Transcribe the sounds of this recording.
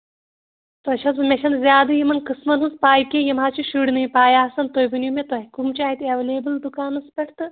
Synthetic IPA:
t̪ɔʃʰɐnzmʲeʃʰɐnzʲjaːd̪ɐjimɐnkɨsmɐnɦuzpaːjkʲejimaːt͡ʃʰiʃuɽnɨjipaːjaːsɐnt̪ojbɨnumʲet̪oɦikumt͡ʃaːit̪eʋeleːbɨld̪ukaːnɐspʲɐʈʰt̪ɨ

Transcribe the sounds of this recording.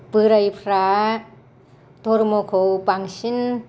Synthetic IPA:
pɯɾajpʰɾa | t̪oɾmokʰowpaŋsin

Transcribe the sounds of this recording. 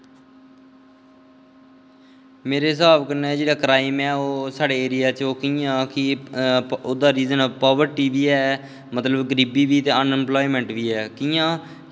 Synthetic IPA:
meːɾeːɪs̬aːbkəɾneːd͡ʒeːɽaːkɾaːɪmɛːoːsaːɽeːeːɾɪjaːt͡ʃoːkiːãːkɪ | oːd̪aːɾiːzənːpɔːʋəɾʈiːʋiːɛː | mət̪ləbɡəɾiːbiːbiːt̪eːənɛmplɔːiːmɛ̃ɳʈʋiːɛːkiːãː

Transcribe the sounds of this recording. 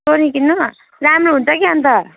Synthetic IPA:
oɾĩkinːu | ɾamroɦunt͡sʰʌkiɦʌnt̪ʌ

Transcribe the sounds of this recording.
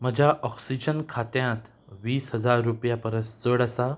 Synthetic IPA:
m̤əd͡ʑʱjaʔɔksid͡ʑənkʰat̪jãt̪ | ʋiːsɦəd͡zaɾːupjapəɾəsd͡zəɽəsa

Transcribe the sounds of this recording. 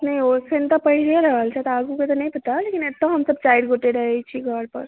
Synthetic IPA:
nəjosənt̪ɔpəɦileɾəɦəlt͡ʃʰɛt̪ɔaɡuket̪ɔnəjpət̪alekinet̪ːɔɦəmsəb̚t͡ʃajɽɡoʈeɾəɦɛt͡ʃʰiɡʱəɽpə̰ɾ

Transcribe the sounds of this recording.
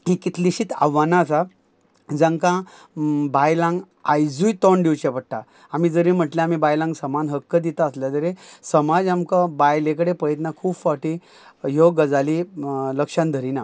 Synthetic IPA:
ekit̪liɕit̪a̰ʋanasa | d͡zə̃ŋkã | bajlãŋɡ | ajd͡zujt̪ɔɳɖiwt͡ɕɛpəɽʈ̪a | amiːd͡zəɾim̤əʈlẽam̤iːbajlãŋɡsəmanɦəkːəd̪it̪aəsljat̪əɾesəmad͡zamkabajlekəɽepəjət̪nakʰuːbfaʈi | ɦoɡəd͡zaliləkʂãnd̪ʱəɾina

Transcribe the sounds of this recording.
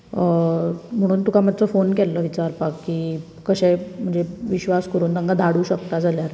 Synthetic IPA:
m̤əɽ̃uːnt̪ukamad̪t͡səfonkɛlːəʋit͡ɕaɾpakːiː | kəɕɛm̤əɳd͡zeʋiɕʋaskəɾuːnd̪aŋɡad̪ʱaɽuːɕəkt̪ad͡zʱaljaɾ

